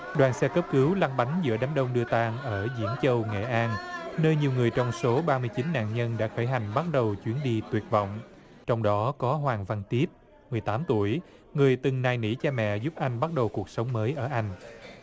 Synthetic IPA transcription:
ɗwaː˨˩nsɛ˧kə˦˥p̚kɨ˨˦wla˧nɓa˨˦jŋ̟zɨ̰˧˥əɗaː˨˦nɗə˧wŋ͡mɗɨ˧ət̪aː˧ŋʔəː˧˩zḭ˧˥ənt͡ɕə˧wŋḛ˧˨ʔaː˧nnəː˧jɲi˨˩əwŋɨ˨˩əjt͡ɕɔ˧wŋ͡mso˨˦ɓaː˧mɨ˧əjt͡ɕi˨˦nːa̰ː˧˨ŋɲə˧nɗa̰ː˧˥xəː˧˩jɦa˨˩jŋ̟ɓa˦˥t̚ɗə˨˩wt͡ɕwi˨˦ənɗi˧t̪wi˨˩ət̚vɔ̰˧˨wŋ͡m | t͡ɕɔ˧wŋ͡mɗɔ˨˦kɔ˨˦ɦwaː˨˩ŋva˧nt̪i˦˥əp̚ | mɨ˨˩əjt̪aː˨˦mt̪u˧˩əj | ŋɨ˨˩əjt̪ɨ˨˩ŋnaː˨˩jnḭ˧˥t͡ɕaː˧mɛ̰˧˨zu˦˥p̚ʔa˧jŋ̟ɓa˦˥t̚ɗə˨˩wku˨˩ək̚sə˨˦wŋ͡mməː˨˦jʔəː˧˩ʔa˧jŋ̟

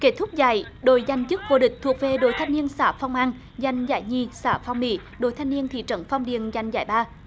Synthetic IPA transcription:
ke˦˥t̚t̪ʰʊ˦˥k͡p̚za̰ː˧˩˦jɗo̰˧˩˦jza˨˩jŋ̟t͡ɕɨ˦˥k̚vo̰˧ɗï˨˩k̟̚t̪ʰu˨˩ək̚ve˨˩ɗo̰˧˨˦jt̪ʰa˧jŋ̟ni˧ənsaː˧˩fa˧wŋ͡mʔaː˧n | za˨˩jŋ̟za̰ː˧˩jɲi˧˨˩saː˧˩fa˧wŋ͡mmḭ˧˩˦ | ɗo˨˧˩jt̪ʰa˧jni˧ənt̪ʰḭ˧˨t͡ɕə˧˩nfa˧wŋ͡mɗḭ˧˨ənza˨˩jŋ̟za̰ː˧˩jɓaː˧

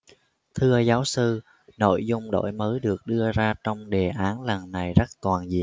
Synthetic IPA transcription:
t̪ʰɨ˧əzaː˨˦wsɨ˧ | no̰˧˨jzʊ˧ŋ͡mɗo̰˧˩˨jməː˨˦jɗɨ˨˩ək̚ɗɨ˧əzaː˧t͡ɕɔ˧wŋ͡mɗe˨˩ʔaː˨˦nla˨˩ŋːa˨˩jzə˦˥t̚t̪waː˨˩nzḭ˧˨ən

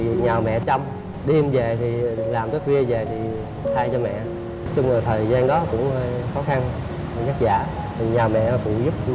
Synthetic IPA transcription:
ɲaː˨˩wmɛ̰˧˨t͡ɕa˧wŋ͡m | ɗi˧əmve˨˩t̪ʰi˨˩laː˨˩mt̪əː˨˦fwi˧əve˨˩t̪ʰi˨˩ | t̪ʰaː˧jt͡ɕɔ˧mɛ̰˧˨ | t͡ɕʊ˧ŋ͡maː˨˩t̪ʰəː˨˩jzaː˧nɗɔ˨˦kʊ̰˧˥ŋ͡mhəː˧jxɔ˨˦xa˧n˨˩ | ɲa˦˥k̚za̰ː˧˩ | t̪i˨˩ɲaː˨˩wmɛ̰˧˨fṵ˧˩zu˦˥p̚

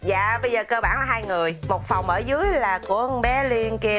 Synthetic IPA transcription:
za̰ː˧˨ɓə˧jzəː˨˩kəː˧ɓaː˧˩naː˨˩˦ɦaː˧jŋɨ˨˩əjmo˨˩t̚fa˨˩wŋ͡mʔəː˧˩zɨ˨˦əjlaː˨˩ku˧˩əɓɛ˨˦li˧nki˧

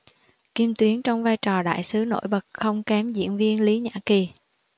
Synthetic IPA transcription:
ki˧mt̪wi˨˦ənt͡ɕɔ˧wŋ͡mvaː˧jt͡ɕɔ˨˩ɗa̰ː˧˨jsɨ˨˦no̰˧˥jɓə˨˩t̚xə˧wŋ͡mkɛ˨˦mzḭ˧˥ənvi˧ənli˨˦ɲa̰ː˧˥˩ki˨˩

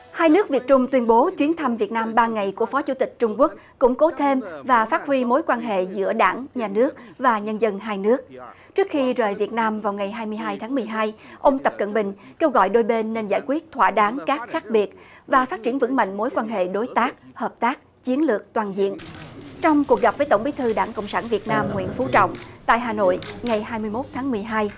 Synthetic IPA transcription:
haː˧jnɨ˦˥ək̚vi˨˩ət̚t͡ɕʊ˧ŋ͡mt̪wi˧ənɓo˨˦t͡ɕwi˨˦ənt̪ʰa˧mvi˨˩ət̚naː˧mɓaː˧ŋa˨˩jku˧˩əfɔ˨˦t͡ɕu˧˩t̪ï˨˩k̟̚t͡ɕʊ˧ŋ͡mku˦˥ək̚ | kʊ̰˧˥ŋ͡mko˨˦t̪ʰe˧mvaː˨˩faː˦˥t̚hwi˧mo˨˦jkwaː˧nɦḛ˧˨zɨ̰˧˥əɗa̰ː˧˩ŋɲaː˨˩nɨ˦˥ək̚vaː˨˩ɲə˧nzə˧nɦaː˧jnɨ˦˥ək̚ | t͡ɕɨ˦˥ək̚xi˧zəː˨˩jvi˨˩ət̚naː˧mvaː˨˩wŋa˨˩jɦaː˧jmɨ˧əjɦaː˧jt̪ʰaː˨˦ŋmɨ˨˩əjɦaː˧j | ʔə˧wŋ͡mt̪ə˨˩p̚kə̰˧˨nɓï˨˩ŋ̟ | ke˧wɣɔ̰˧˨jɗo˧jɓe˧nːe˧nza̰ː˧˩jkwi˦˥ət̚t̪ʰwa̰ː˧ɗaː˨˦ŋkaː˦˥k̚xaː˦˥k̚ɓi˨˩ət̚vaː˨˩faː˦˥t̚t͡ɕi˧˩ənvɨ̰˧˥ŋma̰˧˨ŋmo˨˦jkwaː˧nɦḛ˧˨ɗo˨˦jt̪aː˦˥k̚həː˨˩p̚t̪aː˦˥k̚ | t͡ɕi˨˦ənlɨ˨˩ək̚t̪waː˨˩nzḭ˧˨ənt͡ɕɔ˧wŋ͡mku˨˩ək̚ɣa˨˩p̚vəː˨˦jt̪ə˧˩ŋ͡mɓi˨˦jt̪ʰɨ˧ɗaː˧˩ŋko̰˧˨wŋ͡msaː˧˩nvi˨˩ət̚naː˧mŋwḭ˧˨ənfu˨˦t͡ɕɔ̰˧˨wŋ͡mt̪a̰ː˧˨jɦaː˨˩no̰˧˨jŋa˨˩jhaː˧jmɨ˧əjmo˦˥t̚t̪ʰaː˨˦ŋmɨ˨˩əjɦaː˧j

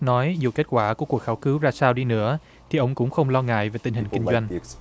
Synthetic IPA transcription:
nɔ˨˦jzu˨˩ke˦˥t̚kwaː˧˩ku˧˩əku˨˩ək̚xaː˨˦wkɨ˨˦wzaː˧saː˧wɗi˧nɨ̰˧˥ə | t̪ʰi˨˩ʔə˧wŋ͡mkʊ̰˧˥ŋ͡mxə˧wŋ͡mlɔ˧ŋa̰ː˧˨jve˨˩t̪ï˧ŋ̟hï˨˩ŋ̟ki˧ŋzwa˧jŋ̟

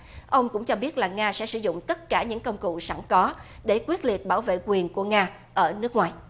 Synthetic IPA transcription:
ʔə˧wŋ͡mkʊ̰˧˥ŋ͡mt͡ɕɔ˧ɓi˦˥ət̚laː˨˩ŋaː˧sɛ̰˧˥sɨ˧˩zʊ̰˧˨ŋ͡mt̪ə˦˥t̚kaː˧˩ɲɨ̰˧˥ŋkə˧wŋ͡mkṵ˧˨sa˧˩ŋkɔ˨˦ɗe˧˩kwi˦˥ət̚li˨˩ət̚ɓaː˧˩wvḛ˧˨kwi˨˩ənku˧˩əŋaː˧ | ʔəː˧˩nɨ˦˥ək̚ŋwaː˨˩j

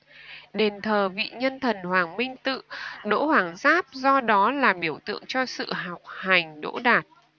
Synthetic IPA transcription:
ɗe˨˩nt̪ʰəː˨˩vḭ˧˨ɲə˧nt̪ʰə˨˩nhwaː˨˩ŋmï˧ŋ̟t̪ɨ̰˧˨ɗo̰˧˥hwaː˧˩ŋzaː˦˥p̚zɔ˧ɗɔ˨˦laː˨˩ɓi˧˩əwt̪ɨ̰˧˨əŋt͡ɕɔ˧sɨ̰˧˨ɦa˨˩wk͡p̚ha˨˩jŋ̟ɗo̰˧˥ɗaː˨˩t̚

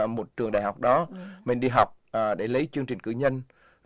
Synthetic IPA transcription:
mo˨˩t̚t͡ɕɨ˨˧˩əŋɗaː˧˨jɦa˨˩wk͡p̚ɗɔ˨˦mï˨˩ŋ̟ɗi˧ɦa˨˩wk͡p̚ːɗe˧˩lə˨˦jt͡ɕɨ˧əŋt͡ɕï˨˩ŋ̟kɨ̰˧˩ɲə˧n

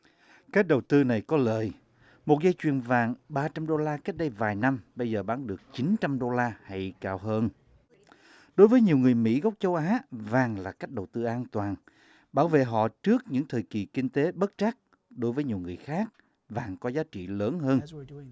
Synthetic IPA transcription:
ka˦˥k̚ɗə˨˩wt̪ɨ˧na˨˩jkɔ˨˦lə̰ː˧˨j | mo˨˩t̚zə˧jt͡ɕwi˨˩ənvaː˨˩ŋɓaː˧t͡ɕa˧mɗo˧laː˧ke˦˥k̚ɗə˧jvaː˨˩jna˧mɓə˧jzəː˨˩ɓaː˨˦ŋɗɨ˨˩ək̚t͡ɕi˨˦nt͡ɕa˧mɗo˧laː˧ha˧jkaː˧˩wɦəː˧n | ɗo˨˦jvəː˨˦jɲi˨˩əwŋɨ˨˩əjmḭ˧˥ɣa˦˥wk͡p̚t͡ɕə˧wʔaː˨˦vaː˨˩ŋlaː˨˩kaː˦˥k̚ɗə˨˩wt̪ɨ˧ʔaː˧nt̪waː˨˩n | ɓaː˧˩wvḛ˧˨ɦɔ̰˧˨t͡ɕɨ˦˥ək̚ɲɨ̰˧˥ŋt̪ʰəː˨˩jki˨˩ki˧ŋ̟t̪e˨˦ɓə˦˥t̚t͡ɕa˦˥k̚ | ɗo˨˦jvəː˨˦ɲi˨˩əwŋɨ˨˩əjxaː˦˥k̚ | vaː˨˩ŋkɔ˨˦zaː˨˦t͡ɕḭ˧˨ləː˨˦nɦəː˧n

